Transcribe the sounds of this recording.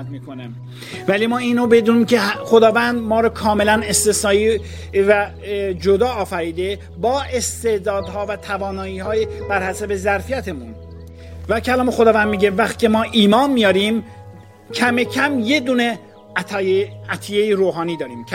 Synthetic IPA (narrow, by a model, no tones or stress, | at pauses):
t̪miːkonæm | vælimɒːiːnobe̞d̪uːniːmcʰexo̞d̪ɒːvænd̪mɒːɾɒkʰɒːme̞lænest̪esɒːi | væ | d͡ʒod̪ɒːfæɾiːd̪e | bɒːʔe̞st̪ed̪ɒːd̪hɒːvæt̪ʰævɒːnɒːiːhɒːjeb̥æɾhæsebezæɾfijæt̪ʰemun | væcʰælɒːme̞xod̪ɒːvænd̪miːɟevæxt̪i̥ːcʰemɒːʔiːmɒːnmijɒːɾim | cʰæmecʰæmje̞d̪uːne | æt̪ʰijejiɾoːɦɒːniːd̪ɒːɾiːmʰ